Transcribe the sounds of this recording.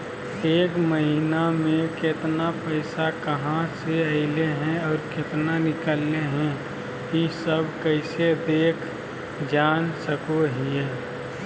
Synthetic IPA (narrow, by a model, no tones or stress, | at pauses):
eːkməɦinamẽket̪napəɪsakəɦãseəɪleɦɛ̃ɔːɾkɪt̪nanɪkəlːeɦɛ̃ | kisəbʱkəɪsed̪eːkʰ | d͡ʒaːnsəkoɦieː